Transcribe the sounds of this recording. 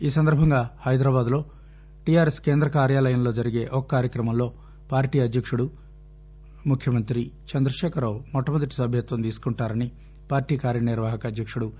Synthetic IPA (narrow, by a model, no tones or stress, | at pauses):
iːsɐnd̪ɐɾbʱɐŋɡaːhɐjd̪ɾaːbaːd̪lo̞ː | ʈijaːɾeske̞ːnd̪ɾɐkaːɾjaːlɐjɐmlo̞ːd͡ʒɐɾiɡe̞ːʔɔkːɐkaːɾjɐkɾɐmɐmlo̞ː | paːɾʈiːɐd̪jɐkʂuɽu | mukʰjɐmɐnt̪ɾit͡ʃɐnd̪ɾɐʃɛːkɐɾawmɔʈːɐmɐd̪ɐʈi̥sɐbʱjɐt̪ʋɐnt̪iːsu̥kuɳʈaːɾɐni | paːɾʈiːkaːɾjɐniɾʋaːɦɐkɐːd̪jɐkʂuɽu